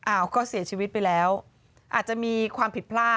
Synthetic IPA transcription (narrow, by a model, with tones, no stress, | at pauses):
ʔaː˧˩wkɔː˥˩si˨˩˦t͡ɕʰiː˧wi˦˥t̪̚pa˧jlɛː˦˥w | ʔaː˨˩t̪̚t͡ɕa˨˩miː˧kʰwaː˧mpʰi˨˩t̪̚pʰlaː˥˩